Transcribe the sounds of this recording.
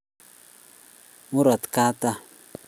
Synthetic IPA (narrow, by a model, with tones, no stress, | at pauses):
mu˦ɾɔ˨t̪ka˦ta˦